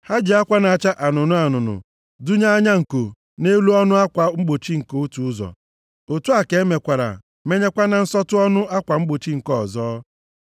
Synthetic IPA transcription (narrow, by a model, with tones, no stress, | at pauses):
ha˦d͡ʒi˨a˦kʷa˦na˨a˨t͡ʃa˦ʔa˨nʊ˨nʊ˦a˨nʊ˨nʊ̰˨ | dʊ˦ɲa˦ɲa˦ŋ̩˨ko˨ | ne˦lu˦ɔ˦nʊ˦a˦kʷa˨ŋ͡m̩˦ɡ͡bo˨t͡ʃi˦ŋ̩˨ko˨u˦tu˨ʊ˦zɔ̰˨ | o˨tu˦a˨ke˨e˦me˨kʷa˨ɾa̰˨ | me˦ɲe˦kʷa˦na˨n̩˦sɔ˦tʊ˦ɔ˦nʊ˦a˦kʷa˨ŋ͡m̩˦ɡ͡bo˨t͡ʃi˦ŋ̩˨kɔ˦˨zɔː˦